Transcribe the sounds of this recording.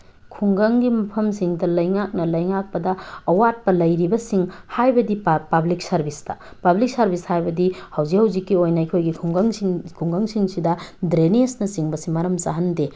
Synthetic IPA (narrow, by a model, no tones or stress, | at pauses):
kʰuŋɡaŋɡimɐpʰɐmsiŋdɐlɐjŋak̚nɐlɐjŋak̚pɐdɐɐwat̚pɐlɐjɾibɐsiŋhajbɐdippɐblik̚sɐɾbʱistɐ̰pɐblik̚sɐɾbʱishajbɐdihɐwzihɐwzikːiojnɐikʰojɡikʰuŋɡaŋkʰuŋɡaŋsiŋsidɐdɾenesnɐsiŋbɐsimɐɾɐmsaɦɐnde